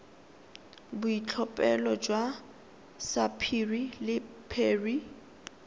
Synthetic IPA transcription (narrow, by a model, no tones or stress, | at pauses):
bʊit͡ɬʰɔpʼɛlɔd͡ʒwa | sapʰirilɪ | pʰeːri